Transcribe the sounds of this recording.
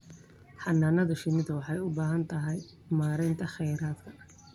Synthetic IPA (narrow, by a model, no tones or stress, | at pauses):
ħɑnːaːnɐðɐʃɪnɪd̪ɐwɑħɑjʊbaːɦɐnt̪ʰɐɦɛj | maːɾɛjnt̪ʰɐχɛjɾaːd̪kʰɐ̥